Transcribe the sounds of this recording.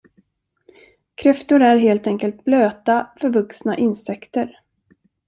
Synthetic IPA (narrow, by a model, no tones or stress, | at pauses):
kʰɾɛft̪ʊɾæɾɦeːlt̪ɛŋkəlt̪̚bløːt̪afœɾvɵksnaʔɪnsɛkt̪əɾ